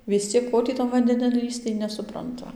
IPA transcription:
ʋʲɪs ˈt͡sʲiɛk ˈkoː tʲiː tɐn ʋɐnʲdʲɛˈnʲɪn ˈlʲiːst͡s tɐɪ ˌnʲæːsʊprɐnˈtʊ

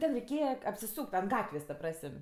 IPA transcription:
ˈtʲɛn rʲɛɪˈkʲeːjɛ ɐpʲsʲɪˈsuːkʲtʲ ɐnt ˈɡɑːtʲʋʲeːs tɐ ˈprɑːsəmʲ

